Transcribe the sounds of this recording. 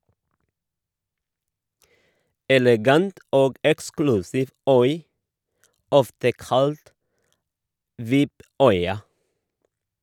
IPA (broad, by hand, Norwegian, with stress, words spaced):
ɛlɛˈɡɑnt ˈoːɡ ˈɛksklʉsɪʋ ˈœʏ ˈɔftə ˈkɑlt ˈʋɪp ˈœʏɑ